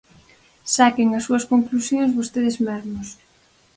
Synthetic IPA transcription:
sakɪŋɐsːuɐskoŋklusjõŋzβost̪eðɪzmezmos

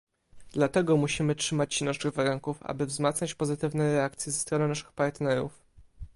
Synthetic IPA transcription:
d̪̥lat̪ɛɡɔmuɕimɘtʂɘmat͡ɕɕinaʂɘɣvaɾuŋkufa̰bɘvzmat̪sɲat͡ɕpɔzɘt̪ɘvnɛɾɛakt̪sʲjɛzɛst̪ɾɔnɔnaʂɘ̥xpaɾt̪nɛɾṵf

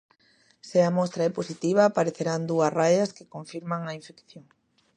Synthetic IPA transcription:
seamɔst̪ɾaɛposit̪iβ̞aːpaɾeθeɾand̪uɐsrajɐskekoɱfiɾmaŋɐiɱfekθjoŋ

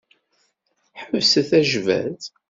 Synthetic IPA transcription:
ħəvsəθæʒvæ̰ð

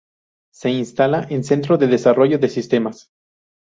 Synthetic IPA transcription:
se̞inst̪alaʔense̞nt̪ɾoðeðe̞saro̞ʝo̞ðesist̪e̞mas

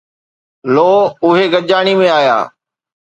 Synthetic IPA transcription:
loːʊɦeɡəʄaːɽ̃imẽaːja̰ː

